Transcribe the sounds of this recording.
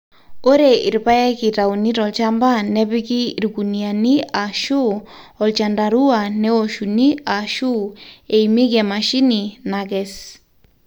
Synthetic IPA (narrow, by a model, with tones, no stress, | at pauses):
o˦ɾe˨i˨ɾpa˦e˦ki˨ɾa˨u˨ni˦ɾɔ˨lt͡ʃa˦mba˦nɛ˦bi˦kiː˦˨ɾɡu˨nia˨ni˦a˨ʃu˦ɔ˨lt͡ʃa˨nda˨ɾu˦a˨nɛ˦o˨ʃu˨ni˦a˨ʃu˦e˨imi˦ke˨ma˨ʃi˦ni˨nakɛs